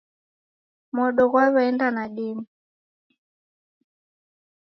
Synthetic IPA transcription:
mɔɗɔɣwaβɛɛndanaɗimi

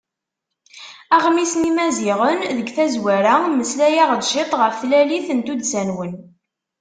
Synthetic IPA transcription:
æʁmisnimæziʁənðəɡθæzwæɾæməslæjaʁəd̪ʃɪt̪ˤʁəfθlæliθənt̪ud̪sænwən

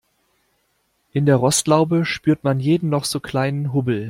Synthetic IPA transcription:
ʔɪndeːɐʁɔstlaʊbəʃpyːɐtmanjeːdm̩nɔχz̥oːkʰl̥aɪnənɦʊbl̩

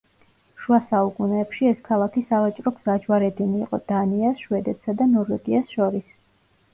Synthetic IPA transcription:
ʃuasaukʼunɛːpʃiɛskʰalˠakʰisavat͡ʃʼɾɔɡz̥ad͡ʒwaɾɛd̪iniːqʼɔ̰d̪̥aniasʃwɛd̪ɛt̪ʰsad̪anɔɾvɛɡiasʃɔɾis

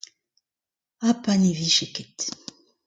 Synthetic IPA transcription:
apaniviʃeket̪

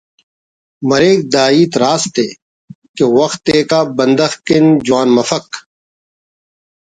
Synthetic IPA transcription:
mɐɾeːk̚d̪aːiːt̪ɾaːst̪eː | kewɐxt̪eːkaːbɐ̃nd̪ɐxkɪnd͡ʒʊwaːnmɐfɐk

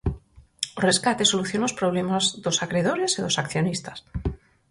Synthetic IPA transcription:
oreskat̪esoluθjonospɾoβ̞lemazðosakɾeðoɾeseðosakθjonist̪ḁs

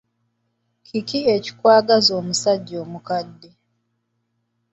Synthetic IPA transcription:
kikieci̥kwaːɡazoːmusaɟːo̞ːmukadːe

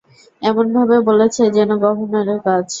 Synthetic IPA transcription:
ɛmonbʱabebolet͡ɕʰed͡ʑɛnoɡɔbʱoneɾeɾkad͡ʑ

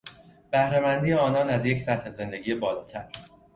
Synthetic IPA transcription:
b̥æhɾe̞mænd̪iːjeɒːnɒːnæzje̞csæt̪he̞ze̞nd̪e̞ɟiːjebɒːlɒːt̪ʰæɾ

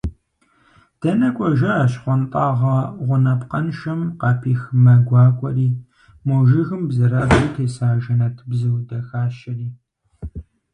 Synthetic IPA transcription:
d̥ɐnɐkʷʼɔʒɐaːɕχʷɔntʼɑːʁɐʁʷʊnɐpqɐnʃɐmqɑpʰiːxmɐɡʷɑːkʷʼɔriː | mɔʒɪɣɨmbzɨɾabzuwtʰeːsaːʒɐnɐtʰbzɨwdɐxaːʃɐriː

